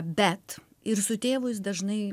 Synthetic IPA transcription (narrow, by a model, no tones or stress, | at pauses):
bʲɛt̪ | ɪɾsʊt̪ʲeːʋʊs̬d̪ɐʒnɐɪ